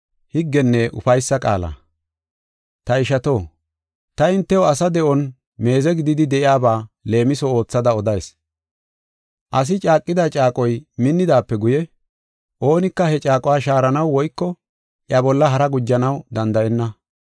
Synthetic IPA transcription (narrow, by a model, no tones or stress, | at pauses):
hɪɡːɛnːɛʔʊ̰fɐjsːɐkʼa̰ːlɐ̰ | t̪ɐɪʃɐt̪o̞ː | t̪ɐɪnt̪ːɛwɔɐsɐd̪ɛʔɔn | me̞ːzɛɡɪd̪ɪd̪ɪd̪ɛʔɪjaːbaːle̞ːmɪsɔo̞ːt͡sːɐd̪ɐɔd̪ɐjs | ʔɐs̬ɪt͡ʃʼaːkʼːɪd̪at͡ʃʼaːkʼɔjmɪnːɪd̪aːpːɛɡʊjɛ | ʔo̞ːnɪkːɐhɛt͡ʃʼaːkʼɔwaːʃaːɾɐnɐwːɔjkːɔ | ʔɪjɐbɔlːɐɦɐɾɐɡʊd͡ʒːɐnɐwd̪ɐnd̪ɐʔɛnːɐ